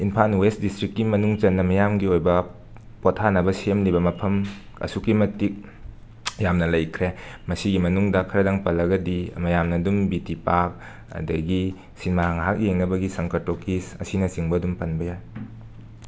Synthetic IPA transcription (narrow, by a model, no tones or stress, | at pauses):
inpʰanwesdistɾikːimɐnuŋt͡ʃɐnːɐmɐjamɡiojbɐ | potʰanɐbɐsemlibɐmɐpʰɐm | ɐ̰sukːimɐtik̚ | jamnɐlɐjkʰɾemɐsiɡimɐnuŋdɐkʰɐɾɐdaŋpɐlɐɡɐdḭmɐjamnɐdumbitipak̚ | ɐ̰dɐɡi | sinmaaŋɦak̚jeŋnɐbɐɡisɐŋkɐɾtokisɐ̰sinɐsiŋbɐdumpɐnbɐjaj